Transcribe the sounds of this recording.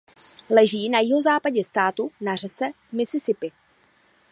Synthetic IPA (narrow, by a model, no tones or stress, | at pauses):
lɛʒiːnajɪɦo̞zaːpaɟɛst̪aːt̪unar̝ɛsɛ | mɪsɪsɪpɪ